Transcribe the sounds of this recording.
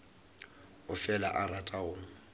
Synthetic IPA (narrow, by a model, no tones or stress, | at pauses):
ʊfɛla̰ʔaratʼaʊːŋ̩